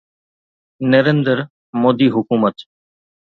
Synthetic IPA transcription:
nəɾeːnd̪əɾ | moːd̪iːɦʊkuːmət̪

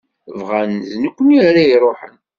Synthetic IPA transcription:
vʁænznəkʷːəniaɾaiɾˤoħə̰n

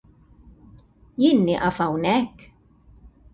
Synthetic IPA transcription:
jɪnːiʔɐfɐwnɛkː

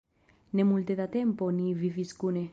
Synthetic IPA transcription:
nemult̪eðat̪emponiviviskune

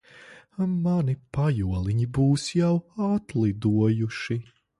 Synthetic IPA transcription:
manipajuɔlˠiɲibuːsjawat̪lˠid̪uɔjuʃi

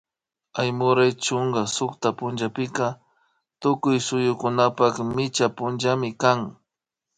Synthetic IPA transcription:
ajmʊɾajt͡ʃʊŋɡasʊkt̪apʊnd͡ʒapɪka | t̪ʊkʊjsʊjʊkʊnapakmɪt͡ʃapʊnʒamɪkaŋ

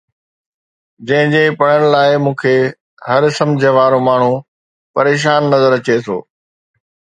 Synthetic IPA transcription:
d͡ʑɐ̃ɦɪ̃d͡ʑeːpɐɽ̃ənɪ̆laːɪmũːkʰeː | hɐɾsɐ̃md͡ʑʱəʋaːɾomaːɳ̤u | pɐɾeːʃ̬aːnːɐzəɾɐt͡ɕet̪ʰo̰ː

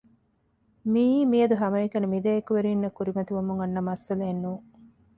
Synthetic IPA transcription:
miːmiɐd̪uɦɐmɐikɐnimid̪ɐekuʋeɾiːnːɐkuɾimɐt̪iʋɐmuŋɐnːɐmɐsːɐlɐːnːuː

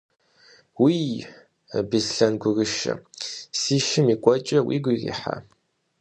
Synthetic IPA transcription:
wiː | bizɬɐnɡʷʊɣɨʃɐ̰siːʃɪmiːkʷʼɔt͡ʃʼɐwḭːɡʷizḭːħa̰

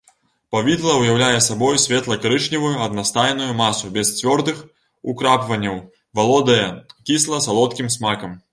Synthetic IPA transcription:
pavʲid̪lˠɐwjawlʲajɛsabɔjusʲvʲɛt̪lˠɐkaɾɨʂnʲivujuɐd̪nast̪ajnujumasubʲɛst͡sʲvʲɔrd̪ɨx | ukɾapvɐnʲːɐw | valˠɔd̪ɐjɛkʲislˠɐsalˠɔt̪kʲimsmakɐm

